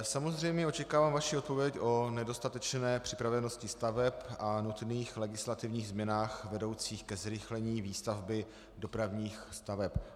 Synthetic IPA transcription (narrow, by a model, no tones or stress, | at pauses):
samo̞zr̝ɛjmɲɛo̞t͡ʃɛkaːvaːmvaʃiot̪po̞vjɛcʔo̞nɛdo̞st̪at̪ɛt͡ʃnɛːpr̝̥ɪpɾavɛno̞scɪst̪avɛpanut̪niːxlɛɡɪslat̪ɪvɲiːɣzmɲɛnaːxvɛdo̞wt͡siːxkɛzɾɪxlɛɲiːviːst̪avbɪ | do̞pɾavɲiːxst̪avɛp